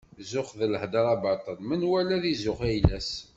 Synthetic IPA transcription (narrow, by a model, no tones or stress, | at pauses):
zʊχðələhd̪əɾˤɑbɑt̪ˤənmənwælæðizʊχæjlæs